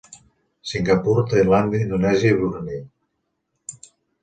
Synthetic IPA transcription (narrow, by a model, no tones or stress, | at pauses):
siŋɡapuɾt̪ajland̪ind̪unɛzeβuɾni